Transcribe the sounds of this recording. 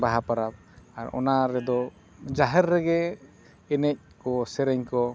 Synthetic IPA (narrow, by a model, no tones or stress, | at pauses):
baɦapaɾab̚ | aɾɔ̰naɾɛd̪ɔ | d͡ʒaɦɛɾːɛɡɛ | ɛnɛc̚kɔsɛɾɛɲkɔ